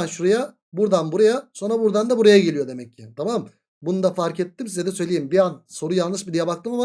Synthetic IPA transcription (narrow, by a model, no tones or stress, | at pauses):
anʃuɾaja | buɾd̪anbuɾajaso̞nɾabuɾd̪and̪abuɾajaɟe̞lʲijo̞d̪e̞mɛcʰːɪt̪ʰamam | bunud̪afaɾkɛt̪ːimsizʲɛd̪ɛsø̞jlʲejimbianso̞ɾujalˠnɯʃbilʲijɛbak̚t̪ɯmama